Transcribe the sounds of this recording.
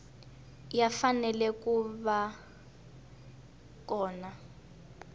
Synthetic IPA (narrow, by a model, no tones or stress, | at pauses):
jafanɛlɛkuβa | kɔːna